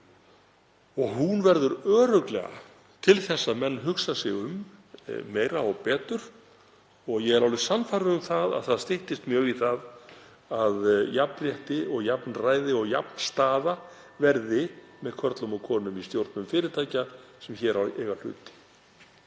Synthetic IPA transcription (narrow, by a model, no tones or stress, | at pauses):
ɔɣɦunvɛɾðʏɾœːɾœklɛ̰ɣa̰ | t̪ʰɪlθɛsːaðmɛnːɦʏksasɪɣʏmː | eːjɾaɔɣpɛːt̪ʏɾ̥ | ɔɣjɛɣɛɾawlɪsanfajɾʏʏmθaða̰ðθaðst̪ɪht̪ɪst̪mjœːɣiθað | aðjapnrjɛht̪ɪɔɣjapnraːjðɪɔɣja̰pn̥st̪aːða | vɛɾðɪmɛðkʰvœɾt̪lʏmɔkʰɔːnʏmist̪jowɾt̪nʏmfɪːɾɪɾt̪ʰaːjcasɛmçɛːɾawɛːɣal̥ʏ̰ːt̪ɪ̥